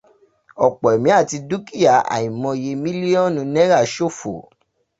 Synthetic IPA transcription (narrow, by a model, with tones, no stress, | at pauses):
ɔ˨k͡pɔ˨ɛ˨mĩ˨˦a˦˨ti˧du˦ki˦˨ja˦˨a̰˨ĩ˨mɔ̃˧˨je˨˧˦mĩ˦li˦ɔ˦˨nũ˧nɛ̃˦ɾa˦˨ʃo˦˨fo̰˨